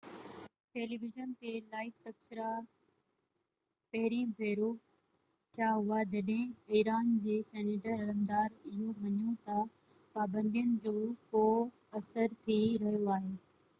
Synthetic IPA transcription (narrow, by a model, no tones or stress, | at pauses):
ʈeːliʋɪʒənt̪elaːɪkt̪ɐksɪɾa | pɐɦɪɾibʱeːɾo | t̪ʰjaːɦʊad͡ʑɐɗɦɪ̃iːɾaːnd͡ʑeːsɛːneʈəɾɐɾəmd̪aːɾɪɦoʋɐɲjot̪ɐ | paːbə̃nd̪ijənɪ̆d͡ʑoːkoː | ɐsəɾt̪ʰiɾɐɦijoaːɦeː